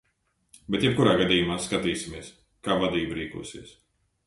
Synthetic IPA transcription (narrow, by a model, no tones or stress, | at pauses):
beɛt̪jɛp̚kuɾaːɡad̪iːjumaːskat̪iːsimiɛs | kaːvad̪iːbuɾiːkṵːsḭɛs